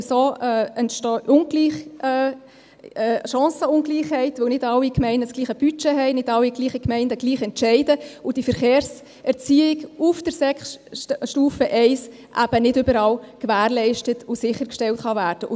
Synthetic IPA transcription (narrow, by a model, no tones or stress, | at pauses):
soːɛntʃtʊnɡliːχ | ʃɑ̃ːsəʊnɡliːχhɛɪtʋɵwnɪdɑlːikmɛɪnəsɡ̥liːχəb̥yt͡ʃɛɦɛɪnɪdɑwːiɡliːχəkmɛɪndəɡliːχɛntʃɛɪdəʊd̥ifəɾχeːɾs | ɛɾt͡siːɪɡufd̥əɾsɛkχʃtuːfəʔɛɪs | ʔæb̥ənɪdʏbəɾɑːlkʋæːɾlɛɪʃtətʊsɪχəɾkʃtɛltχɑvæːɾd̥əʔʊ